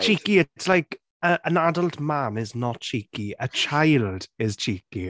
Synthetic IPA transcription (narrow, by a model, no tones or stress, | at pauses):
t͡ʃʰiˑkiɪtslajk | əʔə̃nadəlˠtmanɪznɔt̚t͡ʃʰiːkiət͡ʃʰajlˠd̥ɪz̥t͡ʃʰiːki